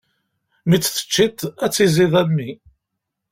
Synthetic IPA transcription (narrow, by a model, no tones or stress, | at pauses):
mit͡sːθə̥t͡ʃːit̪æt͡sːiziðˤæmːi